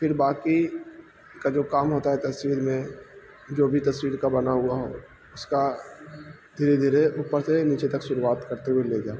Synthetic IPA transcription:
pʰɪɾbaːki | kad͡ʒoːkaːmɦoːt̪aɦɛt̪ɐswiːɾmẽ | d͡ʒoːbʱit̪ɐswiːɾkabɐnaɦʊaɦo̰ː | ʊska | d̪ʱiːɾed̪ʱiːɾeʔʊpːəɾseniːt͡ʃet̪ɐkʃʊɾuwaːt̪kɐɾt̪eɦʊeleɡaː

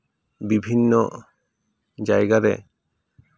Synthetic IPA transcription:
bibʱinːɔ | d͡ʒajɡaɾɛ̰

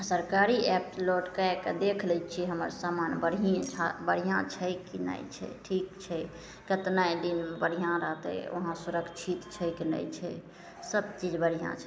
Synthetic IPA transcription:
səɾkaɾiɛp̚loʈkaekd̪ekʰlɛt͡ʃʰiɦəməɾsamanbəɽiẽt͡ʃʰabəɽ̤ijãt͡ʃʰəkina̰jt͡ʃʰɛ̰ʈʰikt͡ʃʰɛ | kət̪najd̪inbəɽ̤ijãɾəɦt̪ɛ̰o̰ɦãsuɾəkt͡ʃʰit̪t͡ʃʰɛkinə̰jt͡ʃʰɛ̰ | səbt͡ʃid͡ʒbəɽ̤ijã̰t͡ʃʰɛ

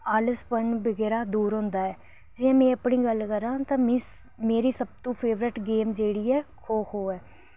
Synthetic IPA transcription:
aːləspənbəɡɛːɾaːd̪uːɾɦõːnd̪aːɛː | d͡ʒɪjãːmɛ̃ːəpɳiːɡəlkəɾãːt̪ãːmĩː | meːɾiːsəb̚t̪ũːpʰeːʋɾəʈɡeːmd͡ʒeːɽiːɛːkʰoːkʰoːɛː

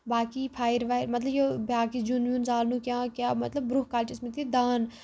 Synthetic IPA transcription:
baːkiːpʰaːɪɾʋaːɾmɐt̪ləbjobaːkid͡ʒunjuːnzaːlnũːkʲjãːkjaːmɐt̪ləbbɾʊhkaːlʈɪsmit̪ʰid̪aːn

